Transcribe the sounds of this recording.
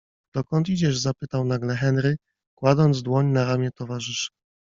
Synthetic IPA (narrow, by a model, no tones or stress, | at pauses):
d̪̥ɔkɔnt̪id͡ʑɛʐzapɘt̪awnaɡlɛxɛnɾɘ | kwad̪ɔnd̪zd̪wɔɲnaɾamʲjɛt̪ɔvaʐɘʂɘ̥